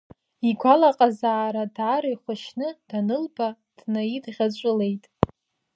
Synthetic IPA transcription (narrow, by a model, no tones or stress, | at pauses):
iɡʷalaqʼazaːɾadʕaɾajχʷʊʃnɨd̥anɨlba | d̥naidʁʲat͡ɕʷʼʊle̞jtʼ